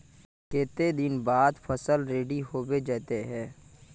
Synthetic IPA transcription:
keːt̪ed̪ɪnbaːd̪pʰəsəlɾeːɖiɦoːwed͡ʒɛːt̪eɦɛ̃ː

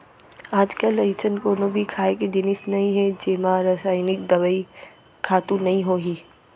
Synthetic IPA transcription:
aːd͡ʒkəlɐjt͡ʃʰənkoːnobʱikʰaːeked̪ɪnɪsnɐɦĩɦɛd͡ʒeːmãɾaːsaːɪnɪkd̪ɐʋəi | kʰaːt̪ũnɐɦĩɦoːɡiː

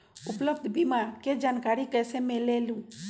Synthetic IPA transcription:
ʊpləbd̪ʱbimaɾked͡ʒaːnkaɾikɛːsemelelũ

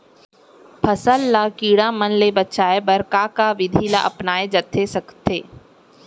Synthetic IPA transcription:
pʰɐsəlːakiːɽamɐnlebətːt͡ʃaːebɐɾkakaʋɪd̪ʱila̰ʔɐpnaːed͡ʒət̪ʰːesɐkt̪eː

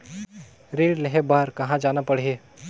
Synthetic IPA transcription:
ɾeːɖleɦebaːɾkɐɦãd͡ʒaːnapɐɽ̤ieː

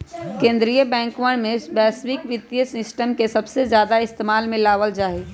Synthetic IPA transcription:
kẽːnd̪ɾijəbɛ̃ːŋkʋəɳ̃mẽbɛːswɪkʋɪt̪ːjəsɪsʈəmkesəbsezjaːd̪aɪst̪emaːlmɪ̃laːʋəld͡ʒaːɦi

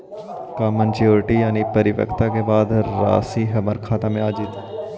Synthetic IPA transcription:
kaːmənt͡ʃoːɾʈijaːnipɐɾɪʋə̰kt̪akebaːd̪ɾa̰ːsiɦɐməɾkʰaːt̪amẽaːd͡ʒit̪ː

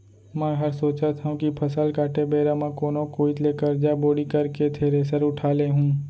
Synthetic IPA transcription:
mə̃ɦəɾsoːt͡ʃat̪ʰaũkipʰəsəlkaːʈebeːɾamãkoːnõkoːit̪lekəɾd͡ʒaboːɽikəɾket̪ʰeːɾeːsəɾʊʈʰaːleɦũː

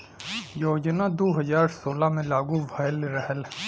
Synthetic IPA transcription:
joːd͡ʒnad̪oːɦɐzaːɾsoːlamẽlaːɡuʋʱajlɾəɦəl

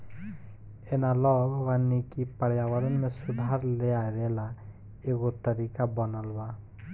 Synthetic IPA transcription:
enalɔwanːikipəɽjawəɾɔnmesud̪ʱaɾleaɾela | eɡot̪əɾikabɔnəlba

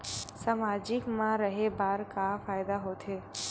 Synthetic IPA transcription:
samad͡ʒɪkmãɾəɦebaːɾkafaːjd̪aɦot̪ʰe

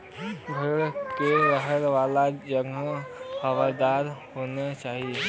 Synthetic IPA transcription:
ɡʱəɾkeɾəɦəɾʋaːlad͡ʒəɡxəʋaɾd̪aːɾhonet͡ʃaːɦie

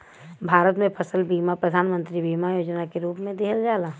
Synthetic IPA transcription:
bʱaːɾət̪mẽpʰɐsəlbiːmapɾəd̪ʱaːnmə̃nt̪ɾibiːmajoːd͡ʒnakeɾuːpmẽd̪ɪɦəld͡ʒaːlaː

